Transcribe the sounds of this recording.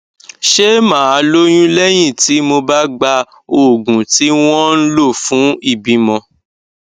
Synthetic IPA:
ʃe˦mãː˨˦˨a˨˧˦lo˦j̃ũ˦lɛ˦j̃ĩ˦˨ti˨˦mo˧ba˦ɡ͡ba˧ | o˨ɡũ˨ti˨˦w̃ɔ̃˦n̩˦lo˦˨fũ˨˦i˦˨bi˨˦mɔ̃˧

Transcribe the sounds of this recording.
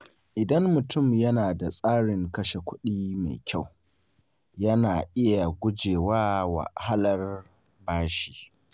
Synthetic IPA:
ʔɪ˨dɐ˦mːʊ˨tʊ˦˨mjɐ˦naː˨da˨sʼaː˦ɽɪ˨ŋkɐ˦ʃe˨kʷʊ˦ɗiː˦ma̰˨jkʲa˦˨w | jɐ˦naː˨ʔɪ˦ja˨ɡʷʊ˦d͡ʒeː˨waː˦wa̰˨ha˦lɐ˦r | baː˦ʃiː˨

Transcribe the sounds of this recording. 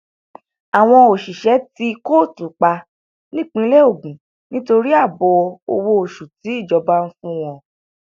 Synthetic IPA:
a˨w̃ɔ̃˧o˨ʃi˨ʃɛ˨˦ti˧ko˦˨tu˨˦k͡pa˧ | nĩ˦˨k͡pĩ˧˦lɛ˦o˦˨ɡ͡bũ˨ | nĩ˦to˧ɾi˦a˦˨bɔ˨˧o˧wo˧o˨ʃu˨ti˨˦i˦˨d͡ʒɔ˧ba˦n̩˦fũ˦w̃ɔ̃˧

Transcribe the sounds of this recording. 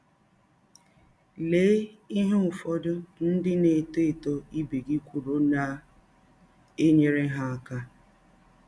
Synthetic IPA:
le˨˦i˦ɦe˦ʊ˨fɔ˦dʊ˦n̩˦dɪ˦ne˨te˦e˨to˦i˦be˨ɡi˦kʷu˨ɾo˦na˨ | e˦ɲe˨ɾe˦ɦa˦a˨ka˦

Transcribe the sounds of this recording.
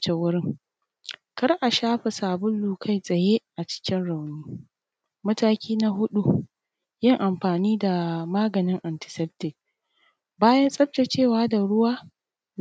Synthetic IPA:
t͡ʃe˨wʊ˦ɾɪ˦ŋ | kɐ˦rʔa˨ʃaː˦ɸe˨saː˨bʊ˦lːuː˨kʰa˦˨jsʼɐ˨jeː˦ʔa˨t͡ʃɪ̥˦kʲɪ˦nɽa˨wniː˦ | mɐ˦taː˦kʲiː˦na˦ɦʊ˦ɗu˦ | jɪ˦ŋʔa˨mɸaː˨niː˦da˨maː˦ɡɐ˨nɪ˦ŋʔa˨ntɪ̥˨sɛ˦p̚tɪ˨k̚ | baː˦jɐ˦nsʼɐ˦p̚t͡ʃa˨t͡ʃeː˦˨waː˦da˨ɽʊ˦waː˦

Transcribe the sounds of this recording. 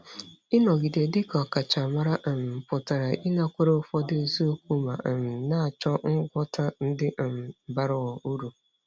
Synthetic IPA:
ɪ˦nɔ˨ɡi˨de˨dɪ˦kɔ˨ka˨t͡ʃa˨ma˦ɾa˦˨m̩˨pʊ˨ta˨ɾa˨ʔi˦na˦kʷe˦ɾo˦ʊ˦fɔ˦dɪ˦˨zo˦o˦kʷu˦ma˨m̩˨na˦a˨t͡ʃɔ˦ŋ̩˦ɡʷɔ˦tʰa˦n̩˦dɪ˦˨m̩˨ba˦ɾʊ˦ɔ˨u˦ɾu˨

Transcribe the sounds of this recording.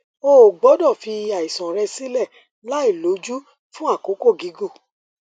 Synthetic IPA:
o˦˨ɡ͡bɔ˨˦dɔ˦˨fi˧a˨i˨sɔ̃˨ɾɛ˧si˦lɛ˦˨ | la˦i˦˨lo˨˦d͡ʒu˦ | fũ˦a˦˨ko˨˦ko˦˨ɡi˨˦ɡo˦˨

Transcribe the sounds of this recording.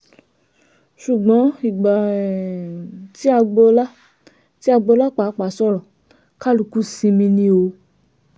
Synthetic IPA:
ʃu˨ɡ͡bɔ̃˨˦i˨ɡ͡ba˨ | ti˦a˧ɡ͡bɔ˧la˦ | ti˦a˧ɡ͡bɔ˧la˦k͡pa˨˦k͡pa˨˦sɔ˦ɾɔ̃˨ | ka˦lu˧˦ku˦sĩ˧mĩ˧nĩ˧o˧

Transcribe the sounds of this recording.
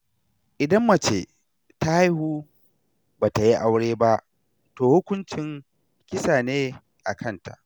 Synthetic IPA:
ʔɪ˨dɐ˦mːɐ˨t͡ʃeː˨ | ta˦ha˦jhuː˦ | baː˨ta˨ji˦ʔa˦wɽeː˦ba˦ʔ | toː˨hʊ˦kʷʊ˦nt͡ʃɪ˨ŋ | kʲɪ˦saː˨neː˦ | ʔa˨kʰɐ˦nta̰˨ʔ

